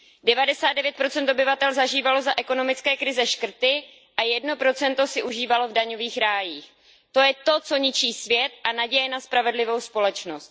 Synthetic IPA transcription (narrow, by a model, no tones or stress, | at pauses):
dɛvadɛsaːd̪dɛvjɛt̪̚pɾo̞t͡sɛnt̪obɪvat̪ɛlzaʒiːvalo̞zaʔɛko̞no̞mɪt͡skɛːkɾɪzɛʃkr̩t̪ɪ | ʔajɛdno̞pɾo̞t͡sɛnt̪o̞sɪʔuʒiːvalo̞vdaɲo̞viːxɾaːjiːx | t̪o̞jɛt̪o̞t͡so̞ɲɪt͡ʃiːsvjɛt̪ʔanaɟɛjɛnaspɾavɛdlɪvo̞wspo̞lɛt͡ʃno̞st̪